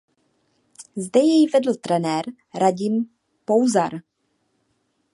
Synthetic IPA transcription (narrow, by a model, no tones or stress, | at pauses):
zdɛjɛjvɛdl̩t̪ɾɛnɛːɾ | ɾaɟɪm | powzaɾ